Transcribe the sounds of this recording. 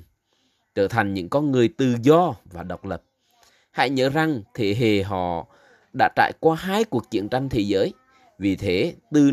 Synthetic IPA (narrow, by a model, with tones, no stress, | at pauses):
t͡ɕəː˧˩t̪ʰa˨˩jŋ̟ɲɨ̰˧˥ŋkɔ˧nŋɨ˨˩əjt̪ɨ˨˩zɔ˧vaː˨˩ɗə˨˩wk͡p̚lə˨˩p̚ | ha̰˧˥jɲə̰ː˧˥za˨˩ŋt̪ʰe˨˦ɦe˨˩ɦɔ̰˧˨ | ɗa̰ː˧˥t͡ɕa̰ː˧˨jkwaː˧ɦaː˧jku˨˩ək̚t͡ɕḭ˧˨ənt͡ɕa˧jŋ̟t̪ʰe˨˦zəː˨˦j | vi˨˩t̪ʰe˨˦t̪ɨ˨˩